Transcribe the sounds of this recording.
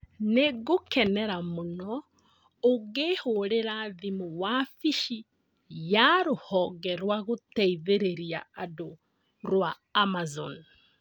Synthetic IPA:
neɣokɛnɛɾamonɔ | oɣeːhoɾeɾaðimuwafiʃi | jaɾohɔɡɛɾwaɣotɛiðeɾeɾia̰ado | ɾwaː | mazɔn

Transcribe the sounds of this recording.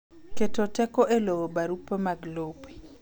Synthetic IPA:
ketotɛkɔʔeloobaɾupemaɡlopi̥

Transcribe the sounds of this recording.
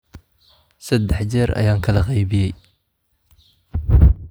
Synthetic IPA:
sɐd̪ːɛħt͡ʃɛːɾɐ̰jaːŋkʰɐlɐqɑjbɪjɛj

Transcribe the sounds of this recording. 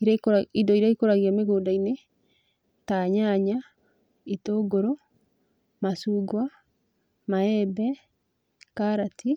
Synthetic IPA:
iɾidɔiɾaikoɾaɣiameɣoːdaine | taɲaɲa | itoːɡoɾɔ | masuːɡwa | maɛbɛ | kaɾati

